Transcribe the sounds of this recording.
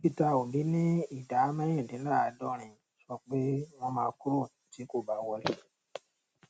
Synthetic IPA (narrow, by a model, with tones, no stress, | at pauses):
pi˧ta˧o˨bi˨˦nĩ˦i˦˨da˨˦mã˦ĩ˦˨tĩ˨˦nãː˦˨a˨˧˦dɔ˧˦ɾ̃ĩ˨ | ʃɔ˧k͡pe˦w̃ɔ̃˧mãː˦˧˦ku˦ɾo˦˨˦ti˨˦ko˦˨ba˨˦wɔ˧li˦˨˦